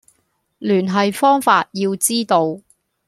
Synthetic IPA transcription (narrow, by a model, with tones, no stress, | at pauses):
lyː˨˩nɦɐ˨jfɔː˥ŋfaː˧t̚jiː˧wt͡siː˥t̪o˧w